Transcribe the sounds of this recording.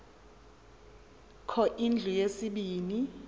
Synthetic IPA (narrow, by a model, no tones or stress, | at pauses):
kʰɔʔind͡ɮʱujesiɓiːni